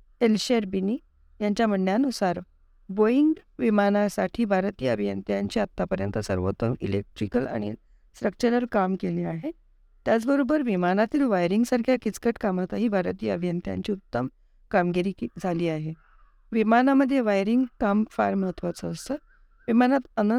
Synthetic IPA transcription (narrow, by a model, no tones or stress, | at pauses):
elɕeɾbiniː | jaɲt͡ɕjaməɳːjanusaɾ | boiŋɡʋimanasaʈʰiːbʱaɾt̪ijəəbʱijə̰nt̪jaɲt͡ɕiːat̪ːapəɾjə̰nt̪əsə̰ɾʋo̰t̪əmḭlḛk̚ʈɾikəla̰ɽ̃ḭ | sɾək̚t͡ɕəɾəlkamkeliːaɦe | t̪jat͡sbəɾobəɾʋimanat̪iːlʋajɾiŋɡsaɾkʰjakit͡skəʈkamət̪aɦiːbʱaɾt̪iːjəəbʱjənt̪ja̰ɲt͡ɕiːut̪ːəm | kamɡiɾiːkd͡zʱaliːaɦe | ʋimanaməd̪ʱːjeʋajɾiŋɡkamfaɾməɭət̪ʰʋət͡səːst̪ə | ʋimanat̪ənə